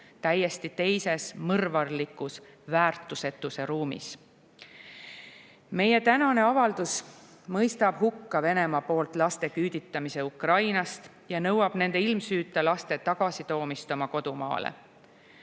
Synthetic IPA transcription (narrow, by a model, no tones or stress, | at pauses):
t̪æjːe̞st̪it̪e̞jse̞smɤrvɑrlikːˑus | væːrt̪ːˑuse̞t̪ːˑuse̞ɾuːmḭs | me̞je̞t̪ænɑne̞ɑvɑld̪us | mɤjst̪ɑb̥hukːɑve̞ne̞mɑpo̞ːlt̪ˑlɑst̪e̞kyːd̪̥it̪ːˑɑmise̞ukrɑjnɑst̪ | jɑnɤwɑb̥ne̞nd̪e̞ilmsyːt̪ːˑɑlɑst̪e̞t̪ɑɡ̥ɑsit̪o̞ːmist̪o̞mɑko̞d̪umɑ̰ːlḛ